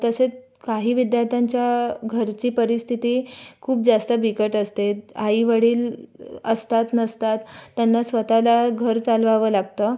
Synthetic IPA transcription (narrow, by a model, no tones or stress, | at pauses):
t̪əset͡s | kaɦiːʋid̪jaɾt̪ʰaɲt͡ɕjaɡʱəɾt͡ɕiːpəɾist̪ʰit̪iːkʰuːp̚d͡zast̪əbʱikəʈəst̪eaiʋəɽiːləst̪at̪nəst̪at̪ːjanːasʋət̪alaɡʱəɾt͡salʋaʋəːlaɡt̪əː